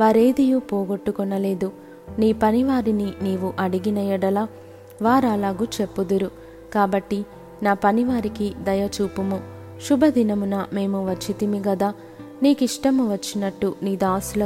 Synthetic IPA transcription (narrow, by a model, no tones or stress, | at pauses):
ʋaːɾeːd̪ijupɔːɡoʈːukɔnɐle̞ːd̪u | niːpɐniʋaːɾininiːʋuʔɐɽiɡinɐjɐɽɐlaː | ʋaːɾɐlaːɡut͡ʃe̞pːud̪uɾu | kaːbɐʈːi | naːpɐniʋaːɾikid̪ɐjɐt͡ʃuːpumu | ʃubʱɐd̪inɐmunɐme̞ːmuʋɐt͡ʃːit̪imiɡɐd̪aː | niːkiʂʈɐmuʋɐt͡ʃːinɐʈːuniːd̪aːsulɐ